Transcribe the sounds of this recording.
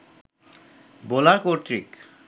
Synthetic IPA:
bolakoɾʈɾik

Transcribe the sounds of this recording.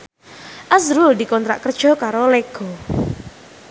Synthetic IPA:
ʔazɾuld̪i̤kɔnt̪ɾaʔkərd̥ʒ̥ɔkaɾoleɡ̥ɔ̤

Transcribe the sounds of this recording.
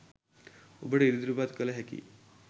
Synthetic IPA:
ubʱəɽeiɾid̪uɾubat̪kəlɦɛkḭ

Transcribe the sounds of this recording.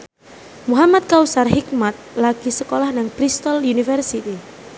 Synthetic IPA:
muɦamat̪̚kausarɦik̚mat̪̚laɡ̥isəkolahnaŋpɾist̪ɔljunifərsit̪i

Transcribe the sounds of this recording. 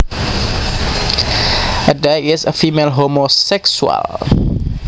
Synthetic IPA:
ədeɪzə̰fiːmelɦomosɛksuə̰l

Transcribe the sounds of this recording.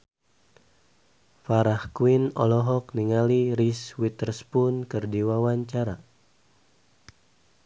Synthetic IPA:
faɾahkuwinɔlɔɦɔk̚niŋaliɾiswit̪ərspunkɨrdiwawaɲt͡ʃaɾa

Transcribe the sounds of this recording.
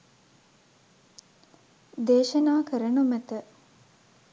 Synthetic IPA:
d̪eːʃɐnaːkəɾənumæt̪ə

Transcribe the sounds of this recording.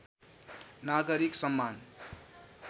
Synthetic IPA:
naɡʌɾiksʌmːan

